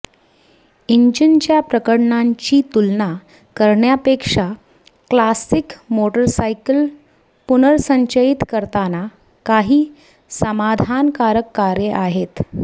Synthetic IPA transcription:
iɲd͡ʑint͡ɕjapɾəkəɽɳaɲt͡ɕiːt̪ulna | kəɾɳjapekʂa | klasikmoʈəɾsajkəl | punəɾsəɲt͡ɕəit̪kəɾt̪ana | kaɦiː | səmad̪ʱankaɾəkːaɾjeʔaɦet̪

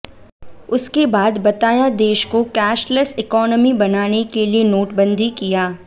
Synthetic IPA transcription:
ʊskebaːd̪bɐt̪aːjad̪eːʃkokɛːʃləsɪkɔːnəmibɐnaːnekelienoːʈbə̃nd̪ʱikijaː

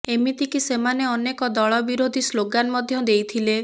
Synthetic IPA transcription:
emit̪ikisemaneɔnekɔd̪ɔɭɔbiɾod̪ʱisloɡanmɔd̪ʱjɔd̪ejt̪ʰile

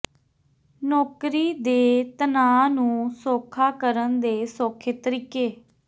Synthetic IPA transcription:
noːkɾiːd̪eːt̪ənãːnũːsoːkʰaːkəɾənd̪eːsoːkʰeːt̪əɾiːkeː

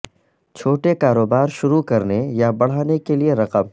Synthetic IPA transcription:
t͡ʃʰoːʈekaːɾoːbaːɾʃʊɾukɐɾnejabɐɽ̤aːnekelieɾɐqəm

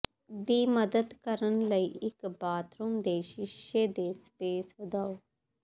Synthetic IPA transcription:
d̪iːməd̪əd̪kəɾənləiːɪkbaːt̪ɾumd̪eːʃɪʃeːd̪eːspeːsʋəd̪aːoː

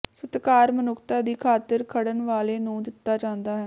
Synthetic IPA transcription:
sət̪kaːɾmənʊkʰt̪aːd̪iːkʰaːt̪əɾkʰəɽənʋaːleːnũːd̪ɪt̪ːaːt͡ʃãːnd̪aːɦɛː

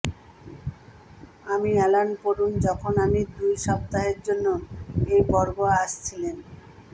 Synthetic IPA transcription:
amiɛlanpoɾund͡ʑɔkʰonamid̪ujʃɔp̚t̪aɦeɾd͡ʑonːoejbɔɾboaʃt͡ɕʰilen

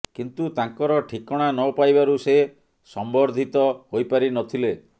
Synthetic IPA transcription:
kint̪ut̪aŋkɔɾɔʈʰikɔɽ̃anɔpajbaɾuse | sɔmbɔɾd̪ʱit̪ɔhojpaɾinɔt̪ʰile

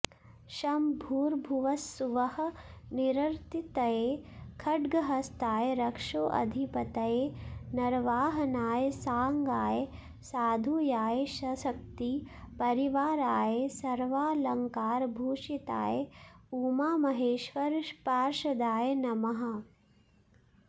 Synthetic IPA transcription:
ʃɐmbʱuːɾbʱuʋɐsːuʋɐhɐ̆niɾɐɾt̪it̪ɐjekʰɐɖɡɐɦɐst̪aːjeɾɐkʂoːʔɐ̰d̪ʱipɐt̪ɐjenɐɾʋaːɦɐnaːjesaːŋɡaːje | saːd̪ʱujaːjeʃɐsɐk̚t̪i | pɐɾiʋaːɾaːjesɐɾʋaːlɐŋkaːɾbʱuːʃit̪a̰ːjeuːmaːmɐɦeːʃʋɐɾpaːɾʃɐd̪aːjenɐmɐɦɐ̆

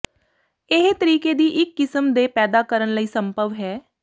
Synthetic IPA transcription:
ɪɦt̪əɾiːkeːd̪iːʔɪkːɪsəmd̪eːpɛːd̪aːkəɾənləiːsəmbəʋɦɛː

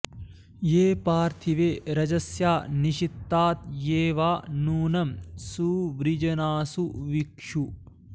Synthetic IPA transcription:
jeːpaːɾt̪ʰiʋeːɾɐd͡ʒɐsjaːniʃit̪ːaːt̪jeːʋaːnuːnɐmsuːʋɾid͡ʒɐnaːsuʋikʂu

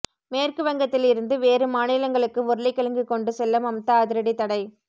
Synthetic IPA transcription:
meːrkɯʋɐŋɡɐt̪ːɪlɪɾɯnd̪ɯʋeːɾɯmaːnɪlɐŋɡɐɭɯkːɯʊɾɯlɪkːɐlɐŋɡɯkːɔɳɖɯsɛlːɐmɐmt̪ːɐːðɪɾɐɽit̪ɐɽɐɪ

